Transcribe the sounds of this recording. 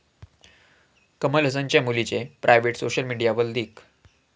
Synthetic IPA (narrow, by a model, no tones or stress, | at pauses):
kəmələs̬aɲt͡ɕjamulit͡ɕepɾʔajʋeʈsoɕəlmiɽijaʋəld̪iːk